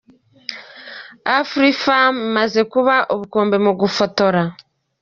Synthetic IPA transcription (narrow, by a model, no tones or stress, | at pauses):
afɾifammaze̞kuβaʔoβukoːmbe̞muɡufo̞to̞ɾa